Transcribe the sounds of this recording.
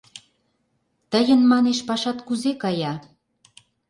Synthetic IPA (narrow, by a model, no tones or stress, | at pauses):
t̪əjə̆nmɑneʃpɑʃɑt̪kuzekɑjɑ